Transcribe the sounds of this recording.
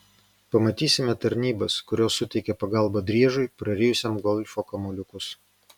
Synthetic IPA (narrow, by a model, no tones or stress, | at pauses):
pɐmɐt̪ʲiːsʲɪmʲɛt̪ɐɾʲnʲiːbɐskʊɾʲoːsːʊt̪ʲɛɪkʲɛpɐɡɑˑlˠbɐd̪ʲɾʲiɛʒʊɪpɾɐɾʲeːjʊsʲɛmɡɔlʲfoːkɐmʊlʲʊkʊs